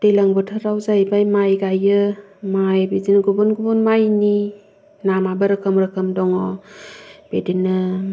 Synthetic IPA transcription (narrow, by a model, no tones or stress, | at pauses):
d̥elaŋbɯtʰɯɾawzajbajmajɡajɯmajbizinɡubunɡubunmajni | namabɯɾɯkʰɯmɾɯkʰɯmdɔŋɔ | b̥edinːɯ